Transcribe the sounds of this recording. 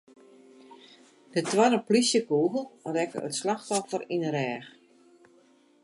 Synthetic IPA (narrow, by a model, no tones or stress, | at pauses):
d̥ət̚twaɾənplisjəkuːɣəl̩ˠrɛkə̰ə̰tslaxtɔfərinəɾɛːx